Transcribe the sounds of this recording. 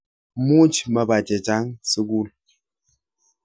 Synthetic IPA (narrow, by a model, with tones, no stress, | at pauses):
mu˦d͡ʒmə˨ba˨d͡ʒɛ˨d͡ʒa˨˦ŋsə˦ɡu˦˨l